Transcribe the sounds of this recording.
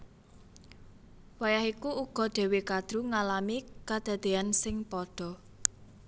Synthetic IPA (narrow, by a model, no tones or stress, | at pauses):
wajahikuuɡ̥ɔ̤d̪̥e̤wekad̪̥ɾuŋalamikad̪̥ä̤d̪̥eansɪŋpɔɖ̪̥ɔ̤